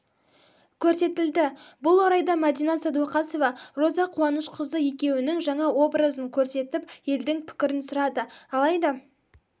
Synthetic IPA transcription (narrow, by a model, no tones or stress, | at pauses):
kʲʰɵɾse̞t̪ɪld̪ɪbʊlˠwoɾɑjd̪ɑmad̪ijnɑsɑd̪uɑqɑso̞vɑro̞zɑqʰuɑnəʃqʰəzəje̞kʲe̞wɪnɪŋʒɑɴɑwo̞bɾəzəŋkʲʰɵɾse̞t̪ɪpje̞ld̪ɪŋpʰɪ̥kʲɪɾɪnsʊɾɑd̪əɑlˠɑjd̪ɑ